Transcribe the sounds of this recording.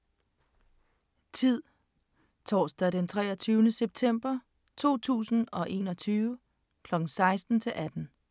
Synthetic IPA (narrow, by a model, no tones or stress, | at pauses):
t͡sʰið̰ˠ | t͡sʰɒ̰ːsd̥æɾ̥ent͡sʰʁɛːɐt͡sʰyːʊnəseb̥̚t͡sʰem̰b̥ɐ | t͡sʰo̝̰ːt͡sʰṵːsn̩ɒ̽ʔe̝̰ːnɒ̽t͡sʰyːʊə | kʰlɒ̽ɡ̥ŋ̩sɑ̈ɪsd̥n̩t͡sʰe̝lʔæd̥n̩